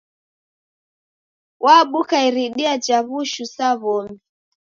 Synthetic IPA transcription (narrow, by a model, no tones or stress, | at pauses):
wʔaɓukaiɾiɗiad͡ʒaβuʃusaβɔmi